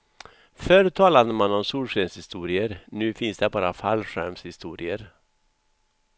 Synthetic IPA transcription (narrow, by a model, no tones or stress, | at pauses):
fœɾt̪ʰɑːlad̪əmanɔmsuːɾʂɛnshɪst̪uːɾɪəɾnʉ̟ːfɪnsd̪ɛbɑːɾafa̰lɧæ̰ɾmshɪst̪uːɾɪəɾ